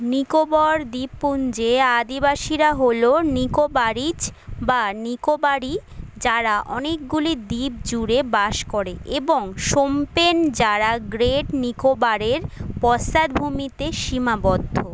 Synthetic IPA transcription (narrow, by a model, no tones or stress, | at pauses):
nikobɔɾd̪ipːund͡ʑead̪ibaʃiɾaɦolonikobaɾid͡ʑbanikobaɾid͡ʑaɾaʔɔnek̚ɡulid̪ip̚d͡ʑuɾebaʃkoɾeeboŋʃompend͡ʑaɾaɡɾeɖnikobaɾeɾpɔsad̪bʱumit̪eʃimabɔd̪ʱːo